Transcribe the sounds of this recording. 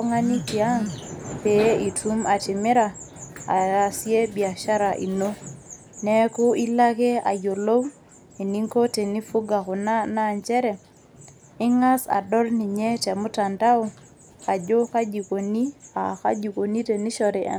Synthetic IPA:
ŋa˦ni˦ki˨a˦ŋpe˨˦i˨tʰu˦ma˨tɪ˨mɪ˦ɾa˨ | a̰˨ja˨sje˦bi˨a˨ʃa˦ɾa˨ʔḭ˨no˦ | nɛ˦kʊ˦i˦la˦ke˦a̰˨ɟo˨lo˦w | i˨ni˦ŋko˦te˨ni˦fu˦ɡa˨kʊ˨na˦naɲt͡ʃɛ˦ɾɛ˨ | ɪ˦ŋa˦sa̰˨dɔ˦lni˨ɲe˦tɛ˨mʊ˦ta˨nda˦u˦ | a˨d͡ʒo˦ka˦d͡ʒi˨ko˨ni˦a˨ka̰˦d͡ʒi˨ko˨ni˦te˨ni˦ʃɔɾḛ˨

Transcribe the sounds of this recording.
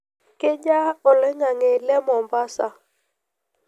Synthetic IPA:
ke˦d͡ʒa˦ɔ˨lɛ˦ŋa˨ŋe˨lɛ˦mɔ˨mba˦sa˦˨

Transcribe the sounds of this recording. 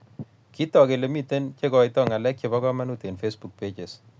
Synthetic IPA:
ki˦tɔ˨ke˨le˨mi˦te˦nt͡ʃe˦kɔ˨jtɔ˦ŋa˨lɛ˦k̚t͡ʃe˨βɔ˦kɔ˦ma˦nu˦te˨nfe˦sbu˨k̚pe˦t͡ʃe˨s

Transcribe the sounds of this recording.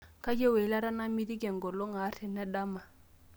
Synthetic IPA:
kʰa˦d͡ʒɛ˦wɛ˨˦la˦ɾa˦na˦mi˦ɾi˦kɛ˨ŋ˨ɡɔ˨lɔ˦ŋa˨˦ɾʰɛ˨nɛ˦da˦ma˨

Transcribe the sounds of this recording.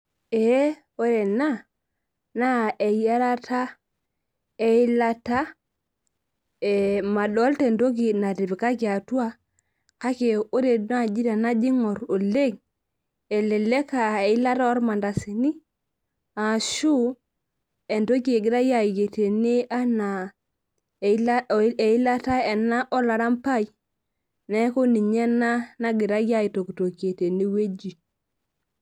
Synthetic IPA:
e˨˦ | o˦ɾe˨na˦ | na˦e˨ja˦ɾa˦tʰa˦ | e˨i˦la˦ta˦ | e˨ma˨ɗo˦lte˨ndo˦ɡi˨na˨di˨bi˨ka˦ɡa˨tu˦a˦ | ka˦ke˨o˦ɾe˨na˦˨d͡ʒi˦ɾa˨na˦d͡ʒi˦ŋo˨ɾo˨le˦ŋ | e˨le˨le˦ka˨e˨i˦la˦ta˦ɔ˦ɾma˨nda˨si˨ni˦ | a˨ʃu˦ | e˨nto˦k̬e˨ɡɪ˨ɾa˦ja˨i˨ɡe˨te˨ne˦a˦na˨˦ | e˨i˦la˦ta˦ɛ˨na˦ʔɔ˦la˨ɾa˦mpa˦˨i˦ | nɛ˦ko˦ni˨ɲɛ˦na˦na˦ɡɪ˨ɾa˦jja˦i˨to˨ku˨to˨kje˨te˨ni˦we˦d͡ʒi˨

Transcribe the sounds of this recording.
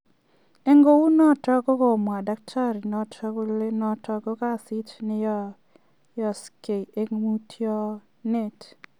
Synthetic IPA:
e˦ŋɡo˦wu˦nɔ˦tɔ˦ko˦ko˨mwa˨da˦k̚tʰa˦ɾi˨nɔ˨tʰkle˦nɔ˨tɔ˧ko˦ka˦si˦tnɪ˦jɔ˦ | jɔ˨ske˨e˨u˦tʰjɔ˦ | ne˦˨t

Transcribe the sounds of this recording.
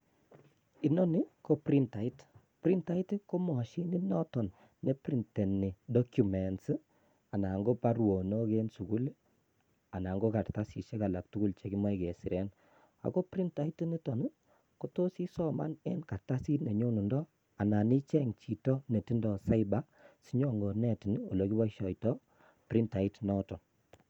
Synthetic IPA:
i˨nɔ˦ni˦ko˦pɾi˦nta˨i˦t | pɾi˦nta˦i˦tko˦mɔ˨ʃi˦ni˦nɔ˦tɔ˨nː | e˦pɾi˨nte˨ni˨dɔ˦kju˨mɛ˨ns | a˨na˨ŋɡo˦pa˦ɾwo˨no˦ke˦nsu˨ku˦l | a˨na˨ŋɡo˦ka˨ɾta˦si˨ʃe˦ka˨la˨k̚tu˦ku˦lt͡ʃe˨ki˦ma˦i˨ke˨si˨ɾɛ˦n | a̰˨ko˦pɾi˦nta˦i˦ti˦ni˦tɔ˨nu˦ | ko˦to˦si˦sɔ˦ma̰˦ne˦nka˨ɾta˦si˦tne˨ɲo˦nu˨ndɔ˦ | a˨na˨ni˦t͡ʃɛ˦ŋt͡ʃi˨tɔ˦ne˨ti˦ndɔ˨sa˦iba˦ | si˦ɲo˦ŋɡo˨nɛ˦˨ti˨nɔ̰˨lo˨˦ki˦ba˦ʃɔ˨jtɔ˦ | pɾi˦nta˨i˦tnɔ˦tɔ˨n

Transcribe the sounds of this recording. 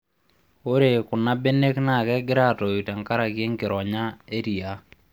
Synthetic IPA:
o˦ɾe˨kʊ˨na˦be˦ne˦kna˦˨kɛ˦ɡɪ˦ɾa˦tɔ˨i˨ta˨ŋka˦ɾa˨ke˦ŋkɪ˨ɾɔ˨ɲa˦e˦ɾi˨a˦

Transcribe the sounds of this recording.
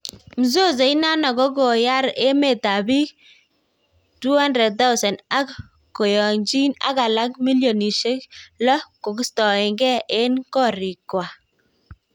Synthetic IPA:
m̩˨zo˦z̬e˨i˦na˦na˨kɔ˦ko˨ja˦ɾe˦me˨ta˨bi˦ | tu˦ha˦ndrɛ˨d̚t̪a˦u˦sa˨nda˦kː | o˨jɔ˨ɲd͡ʒi˦na̰˦ka˨la˦k̚mi˦ljɔ˨ni˨ʃe˦klɔ˦ko˨kɪ˦stɔ˨e˨ŋɡɛ˦ʔe˦nkɔ˦ɾi˨kːwa˨

